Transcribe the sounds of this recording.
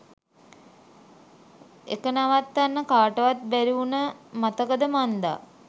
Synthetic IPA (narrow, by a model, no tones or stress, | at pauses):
ḛkənaʋat̪ːanːəkaːʈəʋat̪̚bæɾiunəmat̪əkəd̪əmand̪a̰